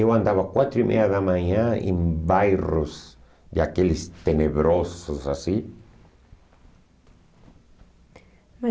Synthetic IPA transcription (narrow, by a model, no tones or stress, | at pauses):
ewand̪aβakwat̪ɾimʔḛaðamaɲaḛmbajroz | d̪akelist̪eneβɾososasi